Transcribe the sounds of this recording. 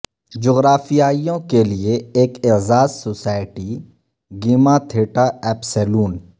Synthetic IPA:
d͡ʒoːɣɾaːfijaːijõkelieeːkezaːzsoːsaːɪʈi | ɡiːmat̪ʰeːʈaɛːpsɛːluːn

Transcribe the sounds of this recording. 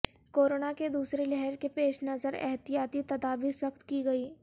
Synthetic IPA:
koːɾoːnaked̪uːsɾelɛɦɛɾkepeːʃnɐzəɾɛ̰ɦt̪ijaːt̪it̪ɐd̪aːbiswɐxt̪kiɡɐiː

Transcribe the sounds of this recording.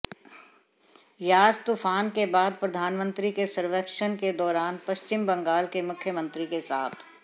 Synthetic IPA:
jaːd͡ʒt̪ufʰaːnkebaːd̪̚pɾɐd̪ʱaːnmə̃nt̪ɾikesɐɾʋəkʃənked̪ɔːɾaːnpɐʃt͡ʃɪmbɐ̃ŋɡaːlkemʊkʰjəmə̃nt̪ɾikesaːt̪ʰ

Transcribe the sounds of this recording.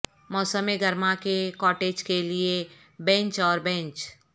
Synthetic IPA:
mɔːsəmeɡəɾmakekɔːʈeːd͡ʒkelie | bɛ̃ɲt͡ʃɔːɾbɛ̃nt͡ʃ

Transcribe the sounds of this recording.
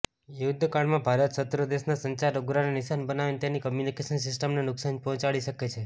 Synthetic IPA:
jʊd̪ʱːkaɳmãbʱaɾət̪sət̪ɾəd̪eʃnasəɲt͡ʃaɾoɡɾanenɪʃanbənaʋent̪enikəmjunikeʃənsɪsʈəmnenʊksanpɔɦɔ̃t͡ʃaɭiʃəket͡ʃʰe

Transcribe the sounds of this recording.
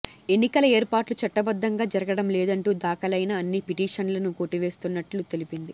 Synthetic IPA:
e̞nːikɐlɐeːɾpaːʈlut͡ʃɐʈːɐbɐd̪ʱːɐŋɡaːd͡ʒɐɾɐɡɐɽɐmlɛːd̪ɐɳʈuːd̪aːkɐlɐjnɐːnːipiʈiːʂɐnlɐnukoːʈːiʋe̞ːst̪unːɐʈlut̪e̞lipind̪i

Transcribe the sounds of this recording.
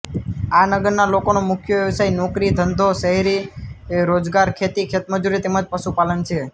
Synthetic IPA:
anəɡəɾnalokonomʊkʰjəʋjəʋsajnɔkɾid̪ʱənd̪ʱoʃəɦeɾiɾod͡ʒɡaɾkʰet̪ikʰet̪məd͡ʒuɾit̪emad͡ʒpəʃupalənt͡ʃʰe

